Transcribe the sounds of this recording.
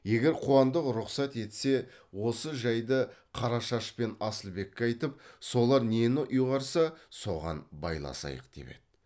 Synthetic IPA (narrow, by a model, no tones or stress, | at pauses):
je̞ɡʲe̞ɾqʰuɑnd̪əqɾʊqsɑt̪e̞t̪se̞wo̞səʒɑjd̪əqʰɑɾɑʃɑʃpe̞nɑsəlˠbe̞kʲːeɑjt̪əp̚so̞lˠɑɾne̞nɪʔʊjʁɑɾsɑso̞ʁɑ̰nbɑ̰jlˠɑ̰sɑ̰jə̰qd̪̥e̞̰pe̞̰d̪